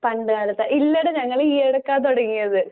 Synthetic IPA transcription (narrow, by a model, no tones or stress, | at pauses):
pɐɳɖɨkaːlɐt̪ːɐʔilːɐɽeɲɐŋːɐɭiːeɽɐkːaːt̪oɽɐŋːijɐðɨ